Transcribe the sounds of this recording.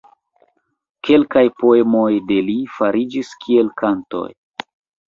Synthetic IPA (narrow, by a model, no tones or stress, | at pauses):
kʰe̞lkajpo̞e̞mojde̞lifaɾid͡ʒiskʰie̞lkanto̞̰j